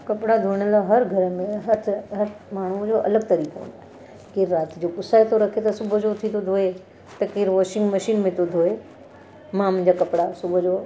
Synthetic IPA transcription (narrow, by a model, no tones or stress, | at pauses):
kɐpɽad̪ʱuɪɽ̃əlaɦɐɾɡʱɐɾəmẽɦɐɾt̪ʰɦɐɾmaːɳ̤̃ud͡ʑoʔɐləɡt̪ɐɾiːkoʊ̰̃nd̪oe | keːɾːaːt̪d͡ʑokʊsaːet̪ʰoɾɐkʰet̪ɐsʊbʱʊd͡ʑot̪ʰit̪ʰod̪ʱoːe | t̪ɐkeːɾʋɔːʃɪ̃ŋɡmɐʃiːnmẽt̪ʰod̪ʱoːe | mãmʊ̃ɲ̆d͡ʑakɐpɽasʊbʱʊd͡ʑoː